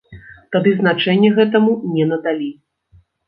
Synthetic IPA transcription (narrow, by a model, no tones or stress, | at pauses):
t̪ad̪ɨznat͡ʂɛnʲːɛɣɛt̪̬ɐmunʲɛnɐd̪alʲi